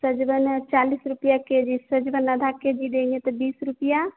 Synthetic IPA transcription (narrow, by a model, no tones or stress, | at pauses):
səd͡ʒbənt͡ʃalisɾupjaked͡ʒisəd͡ʒbənːəd̪ʱaked͡ʒid̪enet̪ɔbisɾupija